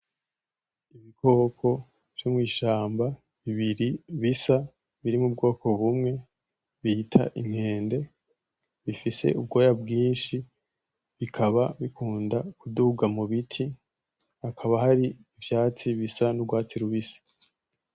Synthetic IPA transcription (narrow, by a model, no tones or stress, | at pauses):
iβiko̞ːkʰo̞ | v̥jomŋiːʃaːmba | βiβiɾiβisa | βiɾimub̚ɡo̞ːko̞βumŋe̞ | βihitʰa̰ʔim̥he̞ːnde̞ | βifise̞̰ʔub̚ɡo̞ːjabɡiːnʃi | βikʰaβaβikʰuːndakuduɡamuβitʰi | akʰaβaɦaɾiːvjaːt͡siβisanubɡwaːt͡siɾuβisḁ